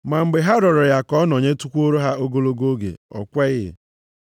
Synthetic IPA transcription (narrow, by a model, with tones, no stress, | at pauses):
ma˨m̩˨ɡ͡be˨ɦa˦ɾɔ˨ɾɔ˨ja˨kɔ˦n˨o˨ɲe˦tu˦kʷo˦ɾo˦ɦa˦o˦ɡo˦lo˦ɡo˦ɡḛ˨ɔ̰˨kʷɛ˦ɣɪ˦ɪ̰˨